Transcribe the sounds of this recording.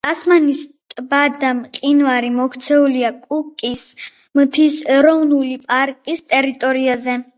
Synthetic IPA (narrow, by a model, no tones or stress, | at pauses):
t̪ʼasmanis | t̪ʼbad̪amqʼinvaɾimɔkʰt̪sʰɛuliakʼukʼis | mt̪ʰisɛɾɔvnulipʼaɾkʼist̪ʼɛɾit̪ʼɔɾiazɛ